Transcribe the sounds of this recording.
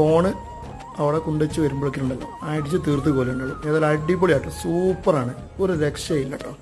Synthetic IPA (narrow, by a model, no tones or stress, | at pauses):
fo̞ːɳɨ | ɐʋiɽekuɳɖet͡ɕːɨʋɐɾumboɭikʲːiʈːuɳɖɐlːo̰aːjiʈ̬ːit͡ɕːɨt̪iːrt̪ːukoːlɐŋːɐɭumneːðɐlɐɖipːoɭijaːʈːɨsuːpːɐraːɳɨ | oɾuɾekʂɐajilːɐʈːoː